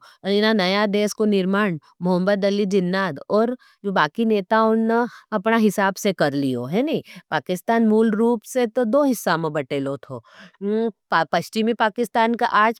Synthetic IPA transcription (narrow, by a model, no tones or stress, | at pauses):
ɪnanɐjad̪eːskonɪɾmaːɳ | mʊɦə̃mːəd̪ɐlid͡ʒɪnːaːd̪ɔːɾ | d͡ʒoːbaːkineːt̪aonnaɐpnaɦɪsaːbsekɐɾlio̰ɦɛnɐĩpaːkɪst̪aːnmuːlɾuːpset̪od̪oːɦɪsːamẽbɐʈeːlot̪ʰo̰ː | ppɐʃt͡ʃɪmipaːkɪst̪aːnka̰ʔaːd͡ʒ